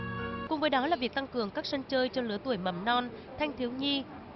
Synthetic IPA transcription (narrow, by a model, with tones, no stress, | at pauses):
kʊ˨˩ŋ͡mvəː˨˦jɗɔ˨˦laː˨˩vi˨˩ək̚t̪a˧ŋkɨ˨˩əŋkaː˦˥k̚sə˧ŋt͡ɕəː˧jt͡ɕɔ˧lɨ˨˦ət̪u˧˩əjmə̰˧˩mnɔ˧n | t̪ʰa˧jŋt̪ʰi˨˦əwɲi˧